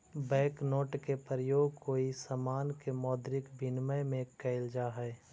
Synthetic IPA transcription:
bɛ̃ːknoːʈkepəɾəjoːɡkoːisəmaːnkemɔːd̪ɾɪkbʱɪnməjmẽkɛɪld͡ʒaɦɛː

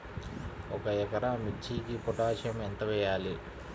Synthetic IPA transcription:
ɔkɐjɛkɐɾamit͡ʃʰːiːkipɔʈaːʃjɐment̪ɐʋɛːjaːli

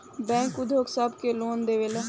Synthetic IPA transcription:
bɛ̃ːŋkʊd̪ʱoːksəbkeloːnd̪eːʋelẽː

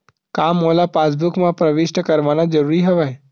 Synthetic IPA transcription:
kaːmːoːlapaːs̬bʊkmãpɾəʋɪʃʈəkɐɾʋaːnad͡ʒɐɾuːɾiɦɐʋae

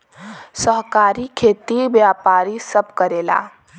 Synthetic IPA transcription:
səɦkaːɾikʰet̪ibjaːpaːɾisəb̚ʱkəɾela̰

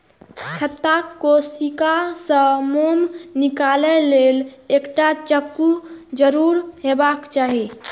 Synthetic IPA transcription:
t͡ʃʰət̪ːakkːosikasə̃momnikalɛlelekʈat͡ʃəkːud͡ʒəɾuɾɦebakt͡ʃaɦi

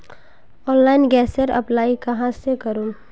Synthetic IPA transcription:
ɔːnlaːɪnɡɛːsəɾɐ̰plaːikɐɦãsekəɾu

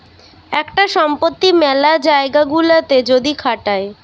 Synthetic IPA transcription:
ɛkʈaʃɔmpot̪ːimɛlad͡ʑaeɡaɡulat̪ed͡ʑod̪ikʰaʈae

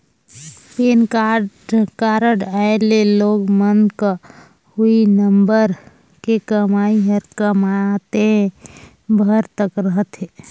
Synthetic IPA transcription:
peːnka | kaːɾəɖaeleloːɡmənka | huinə̃mbəɾ | kekəmaːiɦəɾkəmat̪eɦɛ̃ | bʱəɾt̪əkɾəɦət̪ɦeː

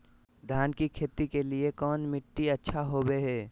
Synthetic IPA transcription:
d̪ʱjaːnkikʰeːt̪ikeliekɔːnmɪʈːiɐtːʃʰaɦoːweɦɛː

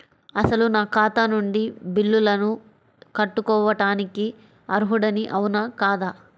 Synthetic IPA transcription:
ɐsɐlunaːkaːt̪anuɳɖibilːulɐnu | kɐʈːukɔːʋɐʈaːniki | ɐɾuɦuɽɐniʔɐwunɐkaːd̪aː

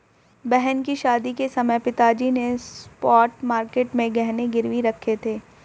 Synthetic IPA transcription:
bɛɦɛnkiʃaːd̪ikesɐməjpɪt̪aːd͡ʒinespɔːʈmaːɾkeːʈmẽɡɛɦneɡɪɾʋiɾɐkʰːet̪ʰeː

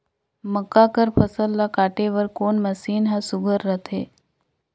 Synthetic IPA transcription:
məkːakəɾpʰɐsəlːakaːʈeʋəɾkoːnmɐsiːnɦasʊɡʱəɾːət̪ʰeː

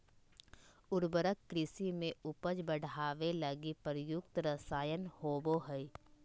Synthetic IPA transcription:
ʊɾbəɾəkːɾɪsimẽʊpəd͡ʒbəɽ̤ʱaːʋelɐɡipəɾjʊkt̪ɾəsaːjənhoːboɦəi

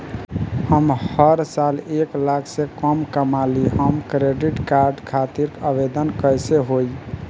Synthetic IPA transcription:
həmhəɾsaleklakʰsẽkəmkəmaliɦəmkɾeɖiʈkaɾɖkʰat̪iɾkəbed̪ənkəjseɦoj

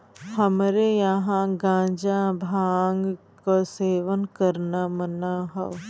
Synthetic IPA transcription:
hɐmɾejɐɦãɡãːd͡ʒabʱaːŋɡ | koseːʋənkəɾnamənaɦo̰

